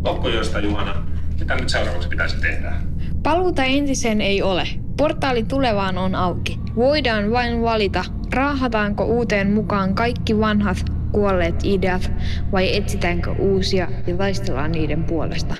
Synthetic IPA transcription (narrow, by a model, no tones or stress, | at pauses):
okːojost̪ɑjuhɑnɑsit̪ænyt̪seurɑ̰ʋṵˑkspit̪æisi̥t̪ehdæː | pɑluːt̪ɑe̞nt̪isene̞jo̞leport̪ːˑɑːlit̪ule̞ʋɑːnonɑwki | ʋo̞jdɑːnʋɑinʋɑlit̪ɑ | rɑːɦɑt̪ɑːŋko̰ʔuːt̪e̞ːnmukɑːŋkɑjkːiʋɑnɦɑt̪ | kuolːe̞ːt̪ideɑt̪ʋɑje̞t̪sit̪æːŋkø̰ʔuːsiɑjɑt̪ɑjst̪e̞lːɑ̰ːnniːde̞mpuole̞̰st̪ɑ